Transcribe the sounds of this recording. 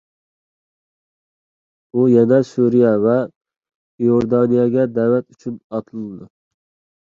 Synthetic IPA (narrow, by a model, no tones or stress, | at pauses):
ujɛnɛsuɾijɛvɛ | joɾd̪ɑnijɑɡʲɛd̪ɛwɛt̪yt͡ʃʰynɑt̪ʰɨlˠɨd̪u